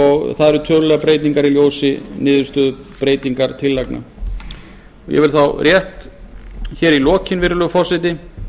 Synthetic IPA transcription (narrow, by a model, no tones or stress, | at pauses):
ɔɣθaðɛɾʏt̪ʰœːlʏlɛɣapɾeːjt̪niŋkaɾiljoːwsɪnɪːðʏɾ̥st̪œðʏpɾeːjt̪iŋkaɾt̪ʰɪlːajkna̰ | ɔ̰jɛ̰vɪlθawrjɛht̪ | çɛːɾilɔːcɪnvɪɾʏlʏfɔrsɪt̪ɪ